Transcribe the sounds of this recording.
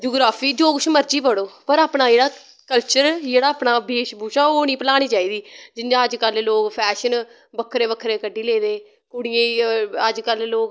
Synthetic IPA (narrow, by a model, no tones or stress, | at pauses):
d͡ʒuːɡɾaːpʰiːd͡ʒoːkʊt͡ʃʰməɾt͡ʃiːpəɽoːpəɾaːpɳaːd͡ʒeːɽaː | kəlt͡ʃəɾd͡ʒeːɽaːəːpɳaːbeːʃbuːʃaːoːnĩːpəlaːɽ̃iːt͡ʃaːiːd̪iːd͡ʒɪnd͡ʒãːəd͡ʒkəlloːkpʰɛːʃən | bəkʰːɾẽːbəkʰːɾẽːkəɖiːleːd̪eː | kʊɽɪjãːiəd͡ʒkəlːoːk